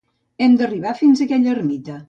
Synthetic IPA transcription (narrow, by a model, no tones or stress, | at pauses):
ɛmd̪əriβ̞afinzəkɛʎəɾmit̪ə